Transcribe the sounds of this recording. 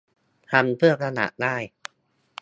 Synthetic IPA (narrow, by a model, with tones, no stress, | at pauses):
t̪ʰa˧mpʰɯ˥˩ɐkʰa˧na̰˨˩ʔdaː˥˩j